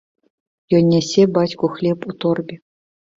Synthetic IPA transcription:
jɔnʲːɛsʲebat͡sʲkuxlʲeput̪orbʲi

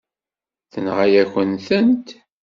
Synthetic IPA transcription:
θənʁæjæçʷənθənt̪

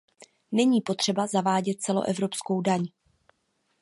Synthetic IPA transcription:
nɛɲiːpo̞t̪r̥ɛbazavaːɟɛt̪̚t͡sɛlo̞̰ʔɛvɾo̞psko̞wdaɲ

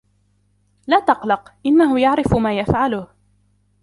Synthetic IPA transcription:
laːt̪ɑqlɑqʔɪnːaɦʊjaʕɾɪfʊmaːjafʕalʊh

